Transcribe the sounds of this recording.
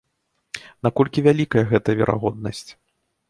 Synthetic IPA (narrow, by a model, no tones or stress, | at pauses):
nakɔlʲkʲivʲalʲikɐjɐɣɛt̪ɐvʲɛ̰ɾʔa̰ɣɔd̪̚nɐsʲt͡sʲ